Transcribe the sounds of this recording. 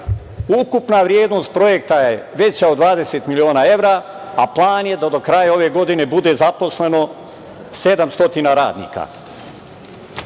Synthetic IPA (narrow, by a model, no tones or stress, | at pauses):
ukupnaʋɾjeːd̪nost̪̚pɾo̞jek̚t̪ajeʋe̞t͡ɕaod̪ʋaːd̪e̞set̪milioːnae̞ʋɾa | aplˠaːnjed̪ad̪okɾajao̞ʋeɡo̞d̪inebud̪ezaposle̞no | sed̪amst̪o̞t̪inaɾa̰ːd̪nḭːka̰